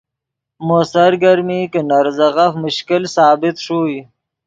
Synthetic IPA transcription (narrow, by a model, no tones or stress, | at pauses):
mosaɾɡaɾmiːkənaɾzaɣafmʊʃkɪlsɑːbɪt̪ʂuːi